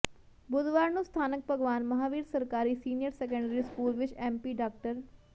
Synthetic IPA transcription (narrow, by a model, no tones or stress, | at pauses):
bʊd̪ʋaːɾnũst̪ʰaːnək̚pəɡʋaːnmɐɦaːʋiːɾsəɾkaːɾiːsiːnijəɾsɛːk̬ə̃ɳɖɾiːskuːlʋɪt͡ʃɛ̃ːmpiːɖaːkʈəɾ